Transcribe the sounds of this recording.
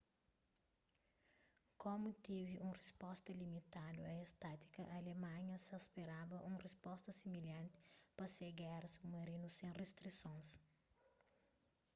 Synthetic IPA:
komut̪iviʔũrespɔst̪ɐlimit̪ad̪ṵɐest̪at̪i̥kɐʔɐlemɐ̃ɲɐsɐspeɾabɐʔũrespɔst̪ɐsimiljɐ̃nt̪i̥pɐseɡɛɾɐsumɐɾinusẽrest̪ɾisõns

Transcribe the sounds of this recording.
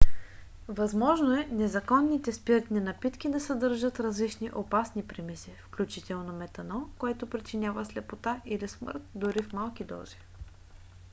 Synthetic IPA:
vɐzmɔʒnoɛnɛzɐkɔnːit̪ɛspit̪ninɐpit̪k̟id̪ɐsɐd̪ɤɾʒət̪ɾɐzlit͡ʃniʔopasnipɾimisifklʲut͡ʃit̪ɛlˠnomɛt̪ɐnɔkoɛt̪opɾit͡ʃinʲjavəslɛpot̪aʔilismə̰ɾt̪̚d̪ʊɾifmalˠkid̪ɔ̰z̥i̥

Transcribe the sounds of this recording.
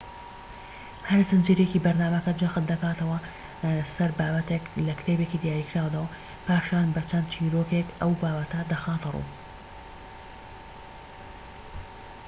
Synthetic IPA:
hɐɾzɨnd͡ʒiɾekibɐɾnaːmɐkɐd͡ʒɐxɨt̪̚d̪ɐkaːt̪ɐwɐ | sɐɾbaːbɐt̪eklɐkt̪ʰebekid̪jaːɾikɾaːwd̪ɐwɐ | paːʃaːnbɐt͡ʃʰɐnd̪̚t͡ʃʰiːɾokekʔɐwbaːbɐt̪ɐd̪ɐxaːt̪ɨrṵː

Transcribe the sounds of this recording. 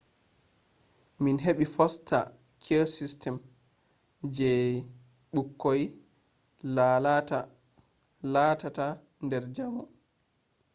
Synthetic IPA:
minɦeɓifɔstʰa̰ | kʰesistʰɛm | d͡ʒɛ | ɓukːoj | lalata | laːtata | ndɛɾd͡ʒamɔ

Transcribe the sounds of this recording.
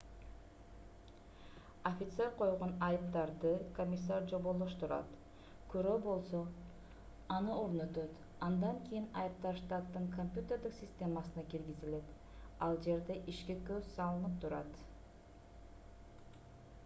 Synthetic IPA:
ofʲɪt̪se̞ɾqʰo̞jʁo̞nɑjɯp̚t̪ɑɾd̪ɯkomʲɪs̬ːaɾd͡ʒo̞βolˠːoʃt̪uɾɑ̰t̪ | køɾøːbo̞lˠso̞ | ɑnɯo̞ɾnø̞t̪øt̪ | ɑnd̪ɑŋkʰʲijinɑjɯp̚t̪ɑʃt̪ɑt̪ːɯŋkʰomʲpʲjut̪ʲe̞ɾd̪iksʲɪsʲt̪ʲe̞masɯnɑkilɡizile̞t̪ | ɑlˠd͡ʒe̞ɾd̪e̞ʔiʃkikøzsɑlˠɯnɯp̚t̪ʰuɾɑt̪

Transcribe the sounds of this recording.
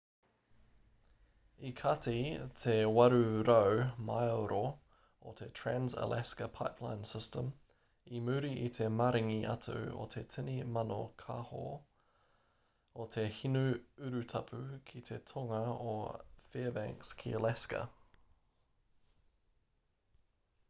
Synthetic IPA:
ikʰatʰitʰewaɾʉɾəʊmaɪoɾo | otʰetʰɹ̥ænzə̰lʔɛskəpʰaɪpʰla̰ɪ̃nsɪstəm | imʉːɾiʔit̪ʰemaɾɪŋiʔatʰə̰o̰t̪ʰetʰɪnimanokʰaho̰ | otʰehinʉʉɾʉtʰapʰʉkʰitʰetʰɔŋəoːfeːəbæŋkskʰḭəlɛskə̰

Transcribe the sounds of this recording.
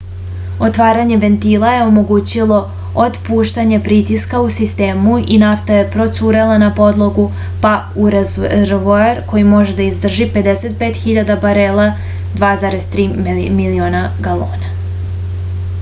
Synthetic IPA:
ot̪ʋaːɾaɲe̞ʋe̞nt̪iːlˠaje̞o̞mo̞ɡuːt͡ɕilˠo̞ | od̪puːʃt̪aɲe̞pɾit̪iskausist̪e̞ːmuinaft̪aje̞pɾo̞t̪suːɾelˠanapo̞d̪lˠo̞ɡu | pa | uɾazɾʋoaɾko̞jimo̞ʒed̪aizd̪r̩ʒipe̞d̪eset̪̚peːt̪xiʎad̪abaɾelˠa | d̪ʋaːzaɾe̞zt̪ɾiːmilioːnaɡalo̰ːna

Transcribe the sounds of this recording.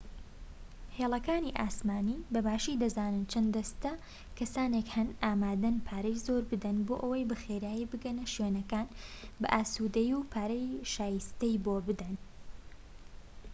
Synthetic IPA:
heːlˠɐkaːniʔaːsmaːniːbɐbaːʃid̪ɐzaːnɨnt͡ʃʰɐnd̪d̪ɐst̪ɐ | kʰɐsaːnekhɐnʔaːmaːd̪ɐnpʰaːɾɐjzoːɾbɨd̪ɐnboːʔɐwɐjbɨxeːɾaːjibɨɡɐnɐʃweːnɐkaːnbɐ̰ʔaːsuːd̪ɐjupʰaːɾɐjʃaːjist̪ɐjboːbɨd̪ɐn

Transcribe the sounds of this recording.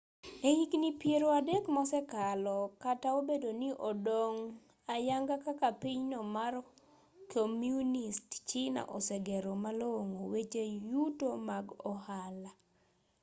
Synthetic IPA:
ehiknipjeɾoadekmɔsɛkalɔkataobedoniʔodoŋ | ajaŋɡakakapiɲnɔmar | kʰomjunistt͡ʃɪna̰ʔɔsɛɡɛɾomaloŋowet͡ʃejutomaɡɔhala

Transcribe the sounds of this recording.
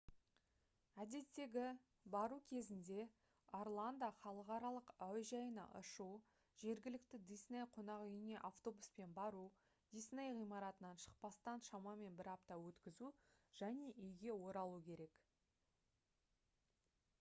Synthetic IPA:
æd̪e̞t̪ːe̞ɡʲɪ | bɑɾukʲʰe̞zɪnd̪e̞ | oɾlˠand̪ɑχɑlˠəqɑɾɑlˠəqœjʒɑjənɑ̰ʔʊ̰ʃu | ʒ̥e̞ɾɡʲɪlɪk̚t̪ɪd̪isnejqʰo̞nɑʁʏjne̞ʔaft̪o̞buspe̞nbɑɾu | d̪̥ijsnejʁijmɑɾɑt̪ənɑnʃə̥q̚pɑst̪ɑnʃɑmɑme̞nbɪɾɑpt̪ɑwɵt̪kʲɪzuʒ̥æne̞ʔʏjɡʲe̞wo̞ɾɑlˠukʲʰe̞ɾe̞k

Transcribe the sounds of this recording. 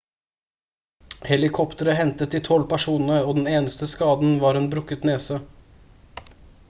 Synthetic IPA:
hɛlɪkʰɔpt̪əɾəɦɛnt̪ət̪ɪt̪ʰɔlːpʰæʂuːnnəoːd̪ɛn̩eːnəst̪əskɑːd̪n̩ʋɑːɾɛnbɾʉkːət̪neːsə

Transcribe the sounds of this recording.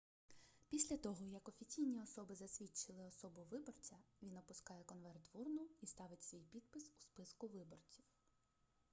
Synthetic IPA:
pʲisʲlʲɐt̪ɔɦɔjɐkɔfʲit͡sʲijnʲiɔsɔbɪzɐsʲʋʲit͡ʃɪlˠɪɔsɔbʊʋɪbɔrt͡sʲɐʋʲinɔpʊskɑjɛkɔnʋɛrt̪ʋurnʊist̪ɑʋɪtʲsʋʲijpʲid̪̚pɪsu̥spɪskʊʋɪbɔrt͡sʲiw

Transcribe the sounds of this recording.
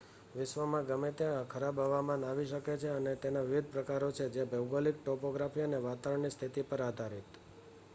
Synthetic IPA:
ʋɪʃʋəmãɡəmet̪ekʰəɾabaʋamãnaʋiʃəket͡ʃʰeənet̪enaʋɪʋid̪̚ʱpɾəkaɾot͡ʃʰed͡ʒebʱewɡolik̚ʈɔpoɡɾafiəneʋat̪aəɳnist̪ʰit̪ipəɾad̪ʱaɾit̪

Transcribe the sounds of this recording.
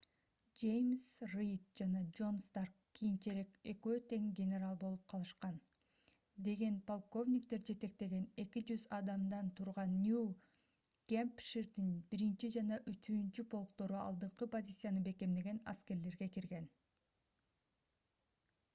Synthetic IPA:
d͡ʒe̞jmsrijt̪̚d͡ʒɑnɑd͡ʒo̞nst̪arkkːijint͡ʃeɾe̞ke̞køːt̪e̞ŋɡʲenʲe̞ɾɑlˠbo̞lˠup̚qʰɑlˠɯʃqɑn | d̪e̞ɡe̞npolˠko̞vnʲikt̪e̞ɾd͡ʒe̞t̪e̞k̚t̪e̞ɡe̞ne̞kid͡ʒyzɑd̪ɑmd̪ɑnt̪ʰuɾʁɑnːju | ɡ̥ʲempʃiɾd̪inbiɾint͡ʃid͡ʒɑnɑʔyt̪ʰyːnt͡ʃypʰo̞lˠkt̪o̞ɾuɑ̰lˠd̪ɯɴqɯpo̞zʲit̪sɨjanɯbe̞ke̞md̪e̞ɡe̞nɑ̰ske̞ɾle̞ɾɡe̞kiɾɡe̞n

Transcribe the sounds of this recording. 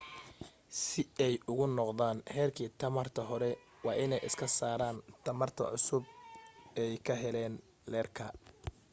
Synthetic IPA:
sɪɛjʔʊɣʊnɔqðaːnhɛːrkʰiːt̪ʰɐmɐrt̪ʰɐɦɔɾɛ | wɑːʔɪnɛjɪ̰skʰɐsaːɾaːnt̪ʰɐmɐrt̪ʰɐ̰ʕʊsʊb̚ | ɛjkʰɐɦɛlɛːn | lɛːrkʰɐ

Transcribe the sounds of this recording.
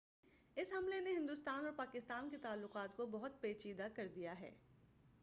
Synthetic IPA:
ɪsɦɐmleneɦɪ̃nd̪ʊst̪aːnɔːɾpaːkɪst̪aːnkit̪aːlːʊqaːt̪kobɐɦʊt̪̚peːt͡ʃiːd̪akɐɾd̪ijaɦɛ̰ː

